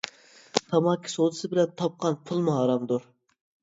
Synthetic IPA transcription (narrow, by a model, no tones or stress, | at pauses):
t̪ʰɑmɑkʲʰːi̥sod̪ɨsɨbɪlɛnt̪ʰɑp̚qʰɑnpʰulˠmɑɦɑɾɑmd̪uɾ